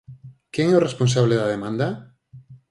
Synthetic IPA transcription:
keŋɛoresponsaβleðɐaðemãnd̪ɐ

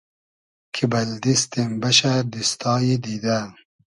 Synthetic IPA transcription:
kʰibɐld̪ist̪imbɐɕaɾd̪ist̪ɑːjid̪id̪a

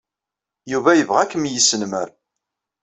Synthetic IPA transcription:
juvæjəvʁækːəmjəsənməɾ

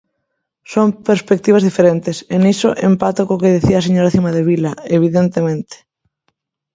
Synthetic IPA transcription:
soŋpeɾspek̚t̪iβ̞azðifeɾent̪esenisoʔempat̪okokeð̞iθiaːseɲoɾaθimaðeβ̞ilaeβiðent̪emẽnt̪e̥

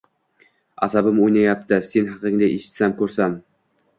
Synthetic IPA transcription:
a̰sabɪmojnajap̚t̪ɪsenɦɑqɨŋd̪aʔeʃɪ̥t̪samkɵɾsam

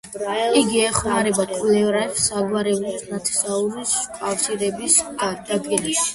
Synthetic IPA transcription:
iɡiɛχmaɾɛbakʼlɛvɾaɛfsaɡwaɾɛulsnat̪ʰɛ̥sauɾiskʼafsiɾɛbisad̪̥aɡʼɛniʃi̥

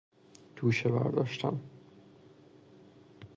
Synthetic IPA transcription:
d̪̥ʰuːʃebæ̰ɾd̪ɒːʃt̪ʰæ̰m

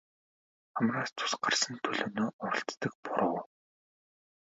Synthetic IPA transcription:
χamraːst̪ʰʊ̥sɢarsə̆nt̪ʰɵɮoːnoːʊɾə̆ɬt̪t̪ə̆k̚pʊɾə̆w

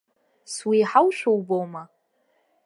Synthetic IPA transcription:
swiħawʃʷᶣowbowma

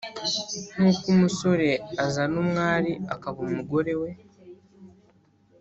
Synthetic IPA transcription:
n̥uːkumuso̞ɾe̞azanumŋaːɾiakaβumuɡo̞ɾe̞we̞

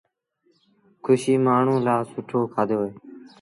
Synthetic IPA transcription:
kʰʊʃiːmaːɳ̤ũːlaːsʊʈʰoːkʰaːd̪ʱoːeː

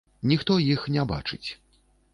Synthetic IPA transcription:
nʲixt̪ɔjixnʲɛba̰t͡ʂɨt͡sʲ

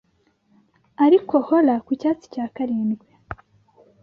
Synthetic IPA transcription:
aɾiko̞holakucaːt͡si̥caːkaɾiːnɡwe

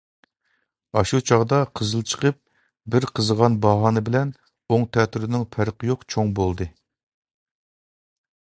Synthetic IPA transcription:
ɑʃut͡ʃʰɑʁd̪ɑqʰəzɨlˠt͡ʃʰə̥qʰəp̚ | bɪɾqʰəzəʁɑnbɑɦɑnɨbɪlɛn | oŋt̪ʰɛt̪ʰyɾɪnɪŋpʰæɾqʰəjoqt͡ʃʰoŋbolˠd̪ɨ

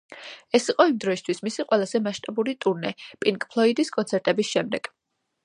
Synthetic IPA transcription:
ɛsiqʼɔimd̪ɾɔist̪ʰwismisiqʼwɛlˠazɛmaʃt̪ʼabuɾit̪ʼuɾnɛpʼiŋkʼpʰlˠɔid̪iskʼɔnt̪sʰɛɾt̪ʼɛbisʃɛmd̪ɛɡ̥

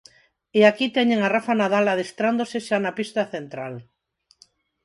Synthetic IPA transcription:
eakit̪ɛɲeŋarafanaðalaðest̪ɾand̪oseʃanapist̪aθent̪ɾal

